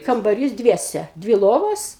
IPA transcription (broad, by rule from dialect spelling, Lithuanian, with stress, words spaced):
kɐmbɐˈrʲiːs ˈdʲʋʲiɛsʲɛ ˈdʲʋʲɪ ˈlˠoːʋoːs